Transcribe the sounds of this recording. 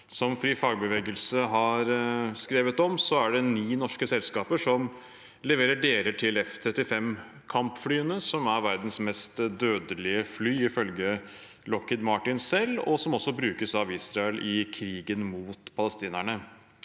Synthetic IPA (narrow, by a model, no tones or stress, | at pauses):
sɔmfɾiːfɑːɡ̚bəʋeːɡəlsəɦɑɾskɾeːʋət̪ɔmsɔæɖɛniːnɔʂkəsɛlskɑːpəʂɔm | lɛʋeːɾəɖeːɾəʈʰɪlɛft̪ʰɾɛt̪ːɪfɛm | kʰɑmpflyːənəsɔmæɾʋæɾd̪n̩smɛst̪d̪øːd̪əlɪəflyːɪfœlɡə | lɔkːɪd̪mɑʈɪnsɛlːɔsɔmɔsːɔbɾʉːkəsɑʋɪːsɾɑɛlʔɪkʰɾiːɡənmuːt̪pʰɑləst̪iːnæɳə